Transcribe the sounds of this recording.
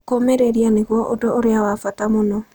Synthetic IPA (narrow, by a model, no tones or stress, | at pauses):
komeɾeɾianeɣwɔʔodooɾeawafatamonɔ